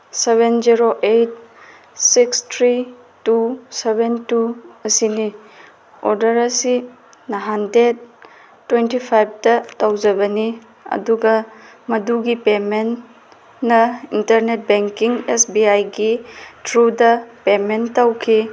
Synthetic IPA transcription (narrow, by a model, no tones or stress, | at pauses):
seβenziɾoʔejt̚ | sikstʰɾi | tusebentuɐsini | oɾdɐɾɐsi | nɐɦanded̚ | tːwentipʰajb̚tɐtɐwd͡ʒɐbɐni | ɐ̰duɡɐ | mɐduɡipemen | nɐintɐɾnet̚beŋkiŋesbiajɡitʰɾudɐpementːɐwkʰi